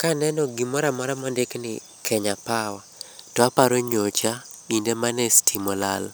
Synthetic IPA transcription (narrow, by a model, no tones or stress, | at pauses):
kanɛnɔɡimɔɾamɔɾamɔndeknɪ̰ | kʰɛɲapawatɔapaɾoɲot͡ʃa | indemanɛstʰimɔlal